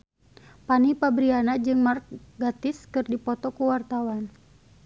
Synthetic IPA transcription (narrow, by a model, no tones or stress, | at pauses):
panipabɾianad͡ʒɨŋmark̚ɡat̪ɪskɨrdipɔt̪ɔkuwart̪awan